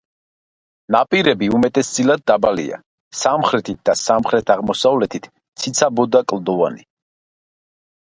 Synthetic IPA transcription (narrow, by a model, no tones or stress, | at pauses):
napʼiɾɛbiumɛt̪ʼɛsd̪zʼilad̪̚ːabalḭa̰ | samχɾɛt̪ʰit̪̚d̪asamχɾɛt̪ʰaʁmɔsavlɛt̪ʰit̪ʰ | t̪sʰit̪sʰabɔd̪akʼlˠd̪ɔva̰ni